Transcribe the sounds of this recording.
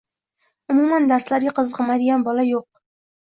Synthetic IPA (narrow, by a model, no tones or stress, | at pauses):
ʊmumɑnd̪æɾslæɾɡʲɪqəzʁəmɑjd̪ɪɡʲænbɒlˠɑjoq̚